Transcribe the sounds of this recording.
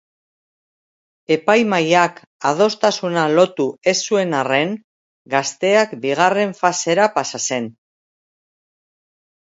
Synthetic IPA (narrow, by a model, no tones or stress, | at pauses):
e̞pajmajak | að̞o̞st̪asunalo̞t̪ue̞sːue̞nare̞ŋ | ɡast̪e̞akbiɣ̞are̞ɱfase̞ɾapasase̞n